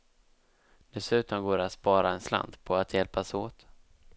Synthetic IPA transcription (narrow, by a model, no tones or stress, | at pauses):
d̪̥ɛsʉ̟ːt̪ɔmɡoːɾat̪spɑːɾaɛnsla̰nd̪pʰɔat̪jɛlpasoːt̪